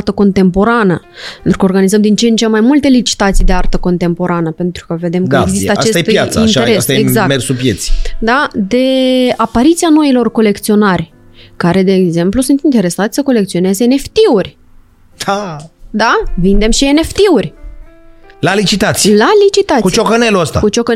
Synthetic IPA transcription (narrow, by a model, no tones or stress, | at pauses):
rt̪əko̞nt̪e̞mpo̞ɾanə | ent̪ɾukəorɡanizəmd̪int͡ʃent͡ʃe̞mːajmult̪e̞lit͡ʃi̥t̪at̪sijd̪e̞art̪əko̞nt̪e̞mpo̞ɾanəpe̞nt̪ɾu̥kəve̞d̪e̞məeɡzisəaase̞jt̪jat̪sineɾesaeeɡzakmersupjet̪si̥d̪ad̪e̞apaɾit̪siano̞ilo̞rko̞le̞kt̪sio̞narʲ | kaɾe̞d̪e̞ːɡze̞mplusunt̪int̪e̞ɾe̞sat̪ʲsəko̞le̞kt̪sio̞ne̞zeene̞ft̪iur̥ʲ | ad̪avind̪e̞mʃie̞ne̞ft̪iurʲ | lalit͡ʃit̪at̪sijlalit͡ʃit̪at̪kut͡ʃokəneluəst̪a̰kut͡ʃokə